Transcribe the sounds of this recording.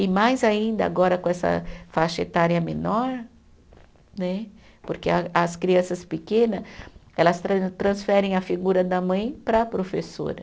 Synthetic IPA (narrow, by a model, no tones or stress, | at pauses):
ɪmajzaĩnd̪ɐa̰ɡɔɾɐkõɛsɐ̰faʃet̪aɾiɐmẽnɔɾ | nɛ | poɾkeɐɐskɾiɐ̃sɐspekẽnɐɛlɐst̪ɾɐt̪ɾɐ̃sfɛɾẽj̃ɐfiɡuɾɐd̪ɐmɐ̃j̃pɾɐpɾofeso̰ɾɐ